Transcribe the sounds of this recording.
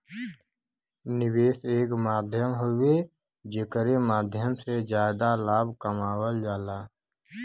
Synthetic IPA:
nɪweːseːkmaːd̪ʱjəmɦʊwe | d͡ʒekəɾemaːd̪ʱjəmsed͡ʒjaːd̪alaːbkəmaːwəld͡ʒaːlaː

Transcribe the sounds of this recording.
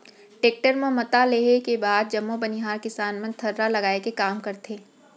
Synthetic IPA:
ʈeːk̚ʈəɾmẽmɐt̪aleːekebaːd̪̚d͡ʒɐmːobɐniɦaːɾkɪsaːnmə̃nt̪ʰɐɾːalɐɡaːekekaːmkɐɾt̪ʰeː

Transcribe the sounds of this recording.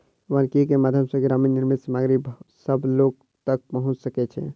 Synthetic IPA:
ʋənkikemad̪ʱjəmsəɡɾaminnːiɾmit̪səmaɡɾibsəbʱloɡ̚ | t̪ək̚pəɦũt͡ʃsəkɛt͡ʃʰɛ̰

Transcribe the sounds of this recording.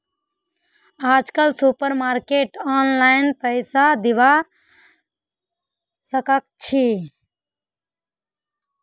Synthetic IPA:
aːd͡ʒkəlsupəɾmaːɾkeːʈaːnlaɪnpəɪsad̪iʋa | səkək̚t͡ʃʰi

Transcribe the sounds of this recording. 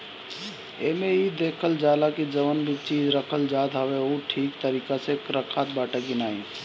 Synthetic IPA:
eːmẽid̪eːkʰəld͡ʒaːlakid͡ʒɐʋənbʱit͡ʃiːd͡ʒɾɐkʰəld͡ʒaːd̪ɦaʋeoʈʰiːkt̪əɾiːkasekɾəkʰaːt̪̚baːʈakinaːĩ

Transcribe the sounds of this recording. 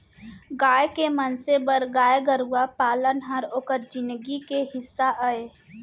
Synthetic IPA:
ɡaːjkemənsebəɾɡaːjeɡəɾuapaːlənɦəɾoːkəɾd͡ʒɪnɡikeɦɪsːaʔəe

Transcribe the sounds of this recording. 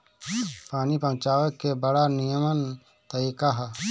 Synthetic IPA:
pʰaːnipə̃mt͡ʃaːʋəkːebəɽanijəmən | t̪əɾiːkaɦɛ

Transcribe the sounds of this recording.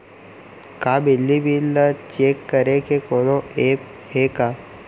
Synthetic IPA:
kaːbɪlːibʱilət͡ʃeːkːəɾekekoːnõeːp | ɦekaː

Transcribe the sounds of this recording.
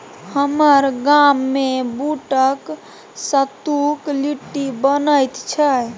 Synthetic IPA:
həməɾɡamːebuʈək | sət̪ukliʈːibənəjt̪t͡ʃʰə

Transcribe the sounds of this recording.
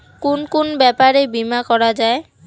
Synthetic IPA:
konkonbɛpaɾebimakɔɾad͡ʑae

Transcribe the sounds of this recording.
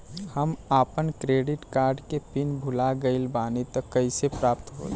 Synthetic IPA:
həmaːpənkɾeːɖɪʈkaːɾɖkepinbʱʊlaɡəɪlbaːnit̪əkːəisepɾaːpt̪ɦo̰ːl

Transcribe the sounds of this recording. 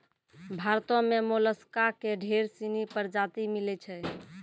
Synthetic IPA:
bʱaɾt̪ɔ̃memoləskakeɖʱeɾsinipəɾd͡ʒat̪imilɛt͡ʃʰɛ

